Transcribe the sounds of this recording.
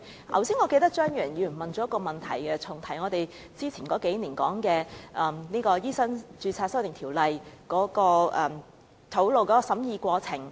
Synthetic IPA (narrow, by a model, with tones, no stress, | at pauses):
hɐ̰˨˩wsiː˥nŋɔː˨˧ke˧jt̪ɐ˥k̚t͡ʃœː˥ŋjœː˨˩njiː˨˧˨nmɐ˨nt͡ʃɔː˨˦˥ɐ˥kɔː˧mɐ˨nt̪ʰɐ˨˩jkɛ˧t͡sʰʊ˨˩ŋt̪ʰɐ˨˩jŋɔː˨˧t̪e˨j | t͡siː˥t͡sʰiː˨˩kɔː˨˥ke˨˥jniː˨˩nkɔ̰ː˨˥ŋkɛː˧ʔɐ˨mniː˥kɔː˧jiː˥sɐ˥nt͡ʃyː˧t͡sʰaː˧t̚sɐ˥wt̪ɪ˨˩ŋtʰi˨˩wlɐ˨jkɔː˨˥kɔː˧ʔɐː˨˩m | t̪ʰo˨˥wlo˨wkɔː˨˦˥kɔː˧sɐ˨˥mjiː˧kʷɔː˧t͡sʰɪ˨˩ŋ